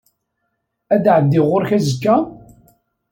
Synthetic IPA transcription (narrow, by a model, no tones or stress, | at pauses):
æd̪ʕəd̪ːɪʁʊɾçæzəkːæ